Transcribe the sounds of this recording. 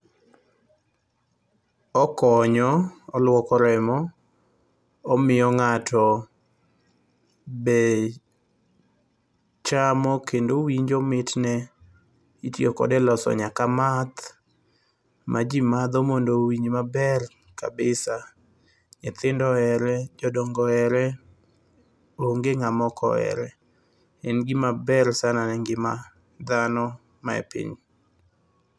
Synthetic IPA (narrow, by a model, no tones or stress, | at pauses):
ɔkɔɲɔɔlwɔkɔɾɛmɔ | mɪɔŋatɔ | bɛ | t͡ʃamɔkendowiɲd͡ʒɔmɪtnɛ | itjokɔ̰dɛlɔsɔ̰ɲakamat̪ | mʔad͡ʒimad̪ɔmondowiɲimabɛr | ka̰bɪsa | nɪt̪ɪndɔɛɾɛd͡ʒɔdɔŋɡɔɛɾɛ | oŋɡeŋamɔkɔ̰ɛ̰ɾɛ | ɛnɡɪmabɛrsananɛŋɡɪma | d̪anɔ | maɛ̰pḭɲ